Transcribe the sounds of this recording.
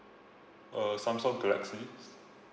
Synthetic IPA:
ʔəsãmsɔt̚ɡalɛ̰ksli

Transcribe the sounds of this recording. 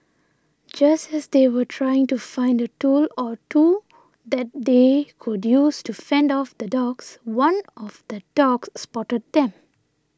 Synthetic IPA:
d͡ʒʌstɛsd̪ewətʰɹajɪ̃ŋtufãɪ̃ndətuːlɔtu | d̪ɛt̚dekʰudjuːstusɛ̃ndɔfd̪ədɔɡswʌ̃nɔfd̪̥ədɔɡsːpɔʈəd̚d̪ɛ̃m

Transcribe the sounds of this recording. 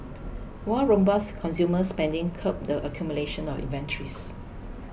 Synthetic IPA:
wɔɹõmbaskʰɔ̃nsjuməspɛ̃ndɪ̃ŋkʰəp̚dəʔəkʰjumuleʃə̃nɔfḭ̃nvɛ̃ntʰəɹḭs

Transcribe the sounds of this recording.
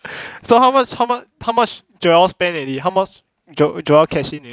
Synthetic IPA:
sohawmat͡ʃhawmat͡ʃhaʊmat͡ʃ | d͡ʒɔalspɛ̃nɛliɦaʊmat͡ʃ | d͡ʒɔd͡ʒɔɛlkʰɛsĩnɛ

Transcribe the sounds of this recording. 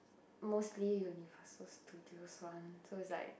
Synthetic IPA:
mostlijunivəsəstʰudioswãnsoisla̰ɪk̚

